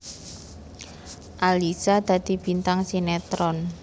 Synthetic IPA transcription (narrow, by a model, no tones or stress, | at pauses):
ʔalisad̪̥a̤d̪̥i̤b̥i̤nt̪aŋsinet̪ɾɔn